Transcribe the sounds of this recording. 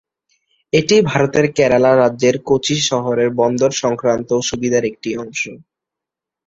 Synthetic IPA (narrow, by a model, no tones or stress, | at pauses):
eʈibʱaɾot̪eɾkɛɾalaɾadːʑeɾkot͡ɕʰiʃɔɦoɾeɾbɔnd̪oɾʃɔŋkɾant̪oʃubid̪ʱaɾek̚ʈiɔŋʃo